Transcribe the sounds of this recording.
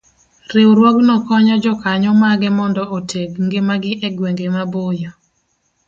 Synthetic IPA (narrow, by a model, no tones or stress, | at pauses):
rɪwɾwɔɡnɔkɔɲɔd͡ʒɔkaɲɔmaɡɛmɔndɔʔotʰeɡŋɡemaɡɪʔeɡweŋɡemabojɔ